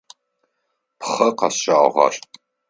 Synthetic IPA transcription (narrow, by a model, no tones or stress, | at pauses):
pχɐqɑsɕaːʁɐ̰r